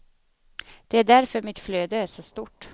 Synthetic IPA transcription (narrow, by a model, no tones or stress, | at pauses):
d̪̥ɛæɖæɾfœɾmɪt̪fløːd̪əæʂɔst̪uʈː